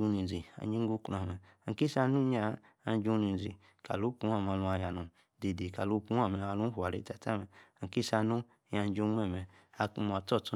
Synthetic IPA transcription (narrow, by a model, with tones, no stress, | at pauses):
u˧ni˨zi˨a̰˨ɲi˦ɡu˦kla˨mɛ˨ | a˨ki˦sa˧nu˦ɲa˦ | a˧˦d͡ʒu˦ni˨n˨zi˨ | ka̰˨lu˨˦pu˦a˦˨m˨a˧˨lu˧a˨ja˨nũ˨ | de˨de˨ka˨lu˦pu˦a˦˨mɛ˨a˧lu˦hu˨a˨ɾḛ˦ta˨ta˦˨mɛ˨a˨ki˦sa˧nu˦ | ja˨˦d͡ʒo˧˦mɛ˦˨mɛ˨ | a˧ku˧mu˨a˨tɔ˦˨tu˦